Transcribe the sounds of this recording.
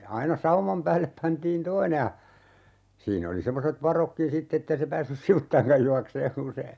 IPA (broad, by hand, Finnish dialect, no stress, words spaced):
ɑinɑ sɑumɑm pæːlːep pɑntiːn toine jɑ siːn oli semːoset ʋɑrokːin sitː etːei se pæːsːys siʋutːɑiŋkɑj juɑkseːŋ kun se